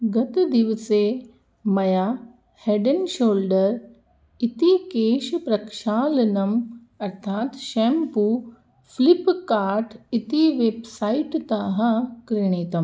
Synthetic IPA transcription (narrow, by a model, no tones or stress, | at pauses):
ɡɐt̪d̪iʋɐse | mɐjaː | heːɖɐnʃoːlɖɐɾ | it̪ikeːʃɐpɾɐkʃaːlɐnɐm | ɐɾt̪ʰaːt̪ʃɛːmpuː | flipkaːɾʈit̪iʋeːbsaːiʈt̪aːɦɐkɾɪɳ̃iːt̪ɐm